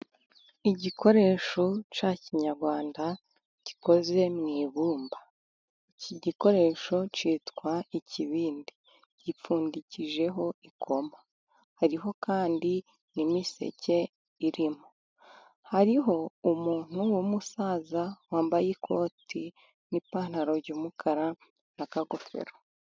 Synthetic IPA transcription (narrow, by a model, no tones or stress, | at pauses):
iɟikʰo̞ɾe̞ːʃo̞t͡ʃaːciɲaɾɡwaːnda | ɟ̥iko̞ze̞mŋiːβuːmba | iciɟiko̞ɾe̞ːʃo̞t͡ʃiːtkwaiciβiːndi | ɟ̥ip͡fuːndiciʒe̞ɦo̞ikʰo̞ma | haɾiɦo̞kaːndi | nimise̞̰ce̞ | iɾimo | haɾiɦo̞umuːn̥uwomusaːzawaːmbajikʰo̞ːtʰi | nipaːn̥aɾoɾɟumukʰaɾa | nakaɡofḛɾo